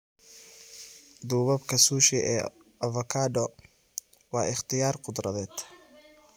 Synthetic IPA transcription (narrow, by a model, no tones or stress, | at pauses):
d̪uːβɐbkʰɐsuːʃɪʔɛː | ɐvɐkʰaːɖɔ | wɑːʔɪχt̪ʰɪjaːrqʊd̪rɐðɛːd̪̥